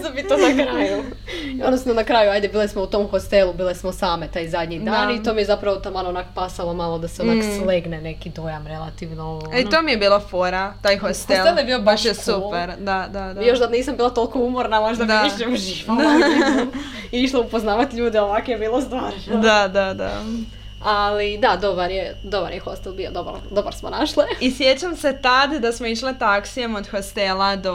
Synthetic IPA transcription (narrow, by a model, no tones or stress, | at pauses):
d̪amit̪onakɾaju | onasmonakɾaːjuajd̪ebiːlesmout̪o̞mxost̪elˠubiːlˠesmosaːme̞t̪aːjzad̪ɲid̪aːnit̪oːmije̞zapɾaʋot̪amanoonakopasalomalˠod̪aseonaksleɡnene̞kid̪o̞jamɾelˠa̰t̪iʋnoit̪omijebiːlˠafoɾat̪aːjxost̪elad̪jebiopaʃesupeɾd̪ad̪ad̪ajoʃd̪ad̪niːsambiːlˠat̪olˠkoumoɾnamoʒd̪amd̪aiʃɲeuʒiʋd̪a | iiʃlˠoupoznaːʋat̪iʎuːd̪ɛoʋakojebiːlˠos̬t̪ʋaːɾod̪ad̪ad̪a̰ | alid̪ad̪obaɾjed̪oba̰ɾjexost̪elˠbiod̪oba̰ɾd̪oba̰ɾsmonaʃliisjet͡ɕamse̞t̪ad̪d̪asmoiʃlet̪aksijemod̪xost̪elˠad̪o